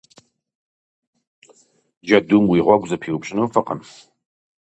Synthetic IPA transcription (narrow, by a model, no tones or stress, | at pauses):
d͡ʒɐdumwiːʁʷɔɡʷzɐpʰiːwʊpɕʼɪnɐwfɨqə̰m